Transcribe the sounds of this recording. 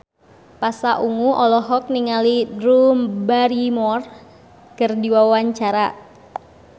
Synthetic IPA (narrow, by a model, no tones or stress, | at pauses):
pasaʔuŋuʔɔlɔɦɔk̚niŋalidɾumbaɾimɔr | kərdiwawaɲt͡ʃaɾa